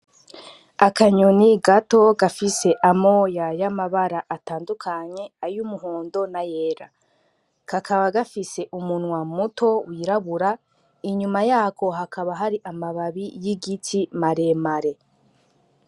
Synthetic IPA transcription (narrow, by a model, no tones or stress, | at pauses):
akaɲoniɡato̞ɡafise̞ʔamo̞ːjajamaβaɾaʔataːndukʰaɲe̞ajumuɦoːndo̞najeːɾa | kakʰaβaɡafise̞ʔumunŋwamutʰo̞wiɾaβuɾa | iɲumajaːkʰo̞ɦakaβaɦaɾiʔamaβaβijiɡitʰimaɾe̞maɾe̞